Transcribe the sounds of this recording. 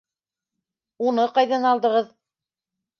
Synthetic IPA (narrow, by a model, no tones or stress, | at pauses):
unɤqɑjðɑnɑlˠd̪ɤ̆ʁɤð